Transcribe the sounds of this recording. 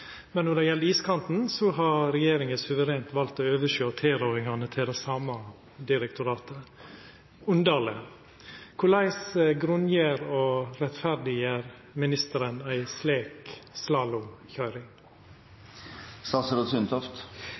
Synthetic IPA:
mɛnːɔɖ̪ɛjɛlːəiːskʰɑnt̪n̩sɔɦɑɾɾɛjeːɾɪŋəsʉʋəɾeːnt̪ʋɑlt̪oːøːʋəʃjøːt̪ʰeːɾoːɾɪŋɑnət̪ʰɪld̪æsɑːmɑ | d̪ɪɾɛkt̪ʰʊɾɑːt̪ə | ʉnd̪ɑːlə | kʰʊlæɪsəɡɾʉnjəɾoːɾɛt̪fæɾd̪ɪəɾ | mɪnɪst̪əɾənæɪsleːkslɑːlʊçœʏɾɪŋ | sɑsəɾɔsʏnt̪ʰɔft̪

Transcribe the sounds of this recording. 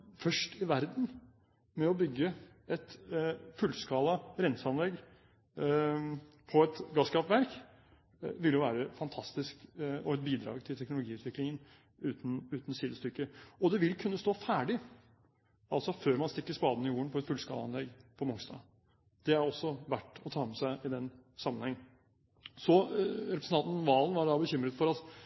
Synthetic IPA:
fœʂʈɪʋæɾd̪n̩ | mɛɔbʏɡːə | ɛt̪fʉlːskɑːlɑɾɛnsɑnlɛɡː | pʰɔɛt̪ɡɑskɑpʋæɾk | ʋɪljʊʋæːɾəfɑnt̪ʰɑst̪ɪskɔɛt̪̚biːd̪ɾɑ̰ːɡt̪ʰɪlt̪ʰɛknʊlʊɡiːʉːt̪ʰʋɪklɪŋən | ʉːt̪n̩ʉːt̪n̩siːd̪əst̪ʏkːəɔd̪ɛʋɪlkʰʉnːəst̪oːfæːɖɪ | ɑlsɔføːɾmɑnst̪ɪkːəʂspɑːd̪ənəɪjuːəɳpʰɔɛt̪fʉlskɑ̰ːd̪əɑ̰nlɛɡpʰɔmʊŋsd̪ɑ̰ː | d̪̥ɛæɾɔsːɔʋæʈːɔt̪ʰɑːmɛsæɪʔɪd̪ɛnsɑmːənhɛŋː | sɔɾɛpɾsn̩ɑnt̪nɔʋɑːlənʋɑɖɑbəçʏmɾət̪fɔɾɑt̪

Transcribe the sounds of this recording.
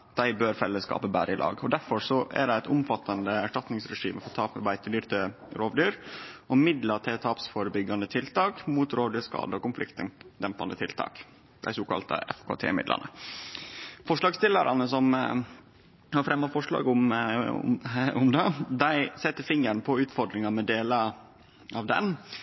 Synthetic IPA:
t̪̚d̪æɪbøːɾfɛlːəskɑ̰ːpəbæ̰ːɾʔəɪlʔɑ̰ːɡɔd̪æɾfɔɾsɔʔæ̰ɖæɪæɪt̪ʊmfɑt̪ʰːɑnd̪əæʂʈɑt̪nɪŋsɾɛʂḭːməfɔɾt̪ʰɑːpməbæɪt̪ʰəd̪yːɾt̪ʰə | ɾoːʋd̪yːɾʔɔmɪd̪lɑt̪ʰeːt̪ʰɑːpsfoːɾəbʏɡɑnd̪ət̪ʰɪlt̪ʰɑːkmuːt̪ɾoːd̪əskɑ̰ːd̪əɔkʊmflɪkt̪ənd̪ɛmpɑ̰nd̪ət̪ʰɪlt̪ʰɑ̰ːk | d̪̥æ̰ɪsoːkɑ̰lt̪ə̰ʔɛ̰fkʰo̰ːt̪ʰḛːmɪ̰d̪lʔɑ̰nə | fɔʂɭɑːɡst̪ɪlːəɾʔɑ̰nəsɔm | hɑɾfɾɛmːɑfɔʂɭɑ̰ːɡʊm̰ | ʊmd̪ɑd̪æɪsɛt̪ːəɾfɪŋəɳpʰɔʉːt̪fɔɖ̪ɾɪŋɑmɛd̪eːlə | ʔɑʋd̪ɛ̰n

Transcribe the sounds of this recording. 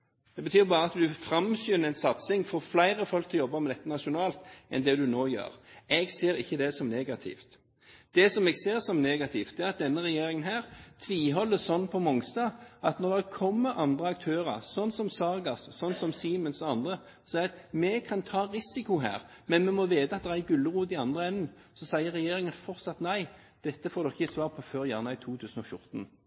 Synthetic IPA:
d̪̥ɛbət̪ʰyːɾbɑːʁəɑt̪d̪ʉfɾɑmɕyːnəɛɪnsɑt̪sɪŋfoːflæɪʁəfɔlk̚t̪ʰɪlɔjɔbːɑmɛd̪ɛt̪ːənɑʃʊnɑːlt̪ʔɛ̰nd̪ɛd̪ʉnoːjø̰ːɾɛɡseːɾɪçːəd̪ɛsɔmneːɡɑt̪ʰɪ̰ft̪ | d̪̥ɛsɔmɛɡseːʁsɔmneːɡɑt̪ʰɪft̪̚ɛæʁɑt̪̚d̪ɛnːəɾɛjeːɾɪŋənɦæːʁt̪ʰʋiːɦɔlːəsɔnːpʰɔmɔŋst̪ɑɑt̪nɔɾd̪ɛkʰɔmːəʔɑnd̪ʁəɑk̚t̪ʰøːʁɑ̰ʁsɔnsɔmsɑɾɡɑssɔnːsɔmsiːmənsɔɑnd̪ʁə | sæɪɑt̪mɛkʰɑnt̪ʰɑːɾɪsɪkʊɦæ̰ːʁmɛnmɛmɔʋeːt̪əɑt̪̚d̪ɛɾæɡʉlːəʁuːd̪ɪɑnd̪ʁəɛnːn̩sɔsæɪəɾɛjeːɾɪŋənfɔɾt̪sɑt̪næɪ | d̪̥ɛt̪ːəfoːɾd̪ɔkɪçsʋɑːʁpʰɔføːɾjæːʁnɑɪt̪ʰuːt̪ʰʉːsn̩ɔfjʊɾt̪n̩

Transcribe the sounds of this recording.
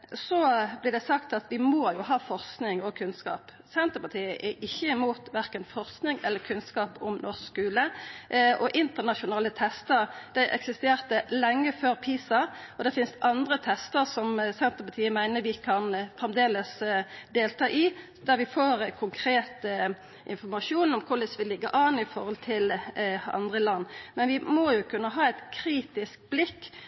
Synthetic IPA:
sɔblɪʁd̪ɛsɑkt̪ɑt̪ʋɪmoːjʊɦɑːfɔʁsknɪŋɔkʰʉnskɑ̰ːp | sɛnt̪əpɑt̪ʰiːəʔɛʔɪçːəɪmuːt̪ʋæʁkənfɔʁsknɪŋɛlːəkʰʉnskɑːpɔmnʔɔsskʉːləʔʔɔʔɪnt̪əʁnɑʃʊnɑːlət̪ʰɛst̪əɾd̪̥æɪʔɛ̰ksɪst̪eːʁt̪əlɛŋːəføːɾpʰiːsɑɔd̪ɛfɪnst̪ʔɑnd̪ʁət̪ʰɛst̪əʁsɔmsɛnt̪əʁpɑt̪ʰiːəmæɪnəɾʋɪkʰɑnfʁɛmd̪eːləsd̪eːlt̪ʰɑːʔɪ | d̪æʁʋɪfoːɾkʰʊŋkʰɾeːt̪ə | ʔɪnfɔʁmɑʂuːnɔmkʰʊləsʋɪlɪɡːəʔɑnɪfɔɾhɔlt̪ʰɪlʔɑ̰nd̪ʁəlɑnːmɛnʋɪmɔjʊkʰʉnːəɦɑːɛɪt̪kʰɾiːt̪ɪsk̚blɪkː

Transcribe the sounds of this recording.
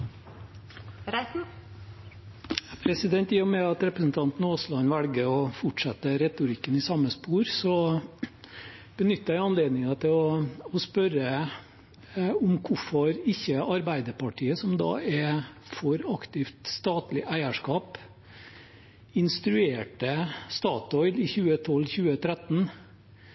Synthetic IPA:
pʰɾɛsɪd̪ɛnt̪jɪːʊmɛɑt̪ɾɛpɾəsn̩t̪ʰɑnt̪n̩oːslɑnʋælɡəɾɔfʊʈʂɛt̪ːəɾɛt̪ʊɾɪkːənɪsɑmːəspuːɾsɔ | b̥ənʏt̪ːəɾjæɪɑnleːd̪nɪŋɑt̪ʰɪlɔɔspœɾə | ʊmkʰʊfɔɾɪçːəɑɾbæɪd̪əpʰɑʈʰiːəsɔmd̪ɑ̰ːɛfɔɾɑkt̪ɪft̪st̪ɑːt̪lɪʔæɪəʂkɑːp | ɪnst̪ɾʉeːʈəst̪ɑːt̪ɔʏlɪçʉːət̪ʰɔlːçʉːət̪ʰɾæt̪n̩

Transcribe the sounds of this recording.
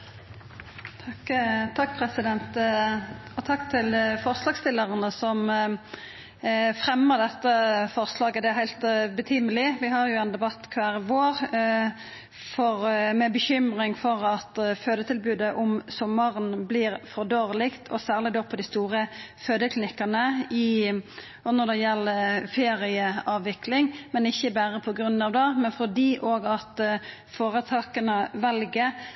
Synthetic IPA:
t̪ʰɑkːpʰʁɛsɪd̪ɛnt̪ | ɔt̪ʰɑkːt̪ʰɪlfɔʁslɑːɡst̪ɪlːəʁənəsɔm | fʁɛmːəʁd̪ɛt̪ːəfɔʁslɑːɡəd̪ɛæhæɪlt̪bət̪ʰyːməlɪʋɪɦɑʁjʊɛnd̪ɛbɑt̪ːkʰʋæːʁʋoːʁ | fɔʁmɛbəçʏmʁɪŋfɔʁɑt̪føːd̪ət̪ʰɪlbʉːd̪əʔɔmsɔmːɑʁnblɪːɾfɔd̪øːɾəlɪkt̪ʰɔ̰sæːʁlɪd̪oːpʰɔd̪ɪst̪uːʁəføːd̪əkʰlɪnɪkːɑnəɪ | ɔnɔʁd̪ɛjɛlːəfeːɾɪəɑːʋːɪklɪŋmɛnɪçːəbæːɾəpʰɔɡɾʉnːɑʋd̪ɛmɛnfɔd̪iːʔoːɡɑt̪ | foːɾət̪ʰɑːkənəʋɛlɡə

